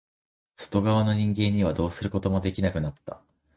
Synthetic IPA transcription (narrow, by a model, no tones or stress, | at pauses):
so̥t̪o̞ɡaβano̞ɲ̟ĩŋɡẽ̞ɲ̟ːiβ̞ad̪o̞ːsɨɾɯ̟ko̞t̪o̞mo̞d̪e̞kʲinakɯ̟nat̪ːa̰